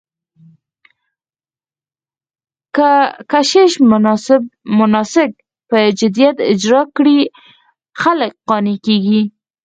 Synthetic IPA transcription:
kəkaʃeʃ | mʊnɑsɪk̚ | pəd͡ʒɪd̪ijat̪ɪ̰d͡ʒɾɑkɽi | xalək̚qɑnekeɡi

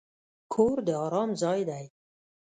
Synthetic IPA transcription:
kʰoːɾd̪eɔːɾɔːmzɑːjd̪aj

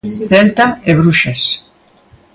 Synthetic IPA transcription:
tent̪aeβɾuʃes

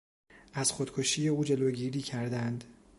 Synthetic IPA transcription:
ʔæz̥xod̪̥kʰoʃiːje̞uːd͡ʒe̞loːɟiːɾiːcʰæɾd̪ænd̪

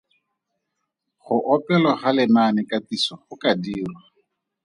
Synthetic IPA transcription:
χʊʔɔpɛlɔχalɪnanɪkatisɔχʊkadiːrwa

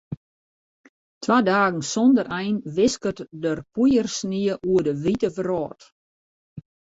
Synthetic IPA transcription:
tʰʋadaːɡən̩sɔndəɾɛjnʋɪskətdərpujərsniəʔuədəʋitəvərɔːt

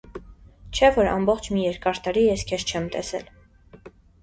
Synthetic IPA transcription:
t͡ʃʰɛvɔɾɑ̰mbɔχt͡ʃʰmijɛɾkɑɾt̪ɑɾijɛskʰɛʃt͡ʃʰɛmt̪ɛ̰sɛ̰l

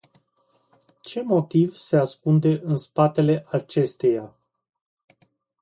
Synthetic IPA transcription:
t͡ʃe̞mo̞t̪ivse̞askund̪e̞ʔɨnspat̪e̞le̞ʔat͡ʃe̞st̪e̞ja

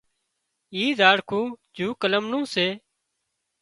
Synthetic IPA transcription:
iːzaːɽkʰũːd͡ʒuːkələmnũːseː

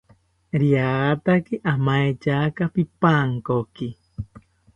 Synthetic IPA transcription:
ɾiaat̪akiʔamaet͡ʃakapipaŋkoki

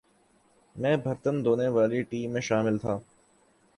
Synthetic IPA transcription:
mɛ̃ːbʱɐɾt̪ənd̪oːneʋaːliʈiːmːẽːʃaːmɪlt̪ʰaː

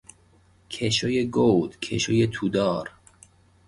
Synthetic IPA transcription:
cʰeʃojeɡowd̪̥cʰḛʃojet̪ʰuːd̪ɒːɾ

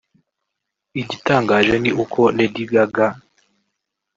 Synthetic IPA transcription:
iɟitaːŋɡaːʒeniʔukʰonediɡaɡa

